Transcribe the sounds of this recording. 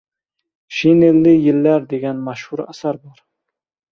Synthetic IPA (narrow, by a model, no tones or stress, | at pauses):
ʃinelːɪjɪlːaɾd̪e̞ɡʲanmaʃhʊɾa̰saɾbɒɾ